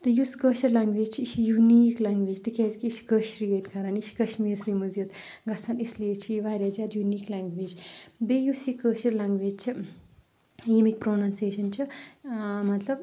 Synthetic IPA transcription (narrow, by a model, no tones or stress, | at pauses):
t̪ɐjuskəʃɐɾlaŋɡʋeːd͡ʒt͡ʃʰiiʃʰijuniːklaŋɡʋeːd͡ʒt̪ikʰʲaːzkiːʃkəʃɾijeːt̪kʰɐɾaniʃkɐʃmiːɾsimuzjut̪ɡɐsʰɐnisleːt͡ʃʰiiʋaːɾʲjazʲjaːd̪juniːklaːŋɡʋeːd͡ʒbejusikəʃiɾlaŋɡʋeːd͡ʒt͡ʃʰɨ | jimik̚proːnanseːʃɐnt͡ʃʰɨ | mɐt̪lɐb